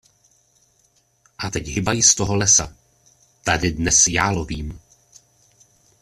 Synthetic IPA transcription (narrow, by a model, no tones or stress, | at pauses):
ʔat̪ɛcɦɪbajɪst̪oɦo̞lɛsa̰ | t̪adɪdnɛsjaːloviːm